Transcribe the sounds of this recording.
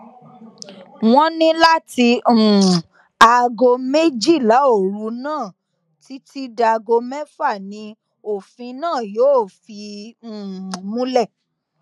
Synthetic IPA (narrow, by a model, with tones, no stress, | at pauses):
w̃ɔ̃˦nĩ˦la˦tĩ˧˨ | a˨ɡo˧me˦d͡ʒi˦˨la˨˦o˦˨ɾu˧˦nãː˦˨ | ti˨˦ti˦da˧ɡo˧mɛ˦fa˦˨nĩ˧ | o˦˨fĩ˧nãː˦˨joː˨˦˨fĩ˧˦˨ | mũ˦lɛ˦˨